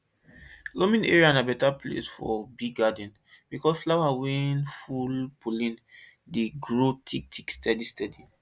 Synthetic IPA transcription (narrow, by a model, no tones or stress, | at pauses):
lõmĩneɹiãnabɛtaplḛsfɔ̰biɡɡadɛ̃n | bikɔsflawawĩnfulpʰolĩn | deɡɹotʰik̚tʰikstɛdistɛdi